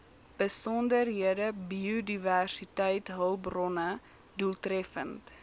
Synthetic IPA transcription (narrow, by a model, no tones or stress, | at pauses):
b̥əsɔndərɦiədəbiudiværsitɛjtɦəlˠbrɔnə | dulˠtrɛfənt